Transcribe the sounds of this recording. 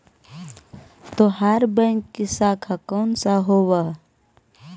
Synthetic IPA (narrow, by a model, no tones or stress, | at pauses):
t̪oɦaɾbə̃ŋkːisaːkʰakoːnsaɦowa